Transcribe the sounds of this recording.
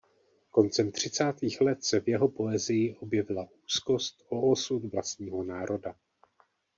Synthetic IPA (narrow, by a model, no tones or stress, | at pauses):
ko̞nt͡sɛmt̪r̝̥ɪt͡saːt̪iːxlɛt̪sɛvjɛɦo̞po̞ɛzɪjɪʔo̞bjɛvɪlaʔuːsko̞st̪o̞ːsut̪vlast̪̚ɲiːɦo̞naːɾʔo̞da